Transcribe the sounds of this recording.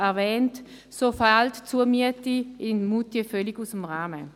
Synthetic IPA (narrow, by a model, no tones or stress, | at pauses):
ɛɐʁvɛːnt | sofaltt͡suːɐmiətiɪnmutjəfœliɡusəm̩ʁaːmə